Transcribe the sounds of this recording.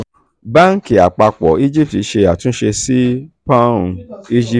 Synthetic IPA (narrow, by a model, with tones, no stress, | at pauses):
ba˦ŋ̩˦ki˨a˨k͡pa˧k͡pɔ̰˨i˦d͡ʒi˦p̚ti˨˦ʃe˧a˨tũ˦ʃe˧si˦pã˦ũ˧i˦d͡ʒi˦